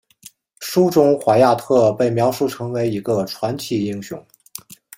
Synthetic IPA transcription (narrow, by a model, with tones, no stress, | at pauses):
ʂu˥ʈ͡ʂʊ˥ŋxwa˧˥ja˥˧t̪ʰɤ˥˩pe˥˩ɪmjɑ˧˥ʊʂu˥˩ʈ͡ʂʰɤ˧˥ŋwe˧˥ɪi˧˥ɡə˧ʈ͡ʂʰwa˧˥nt͡ɕʰi˥˩i˥ŋɕjʊ̰˥˩˦ŋ